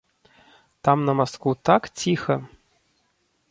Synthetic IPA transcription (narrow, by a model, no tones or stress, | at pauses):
t̪amnɐmaskvut̪akt͡sʲixɐ